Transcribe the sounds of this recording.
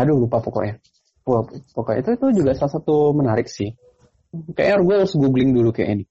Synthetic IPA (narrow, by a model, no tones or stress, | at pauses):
adulupapoko̰ʔja | puapokɔ̰ḭt̪uit̪ud͡ʒuɡaʔsalasat̪umənaɾɪk̚sɪh | kajʔrɡuausɡuɡlɪŋdulukaja̰ʔini